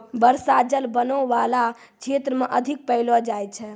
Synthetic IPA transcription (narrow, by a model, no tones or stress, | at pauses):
bəɾsad͡ʒəlbənəʋala | t͡ʃʰet̪ɾəmeʔəd̪ʱik̚pəɪlɔd͡ʒajt͡ʃʰɛ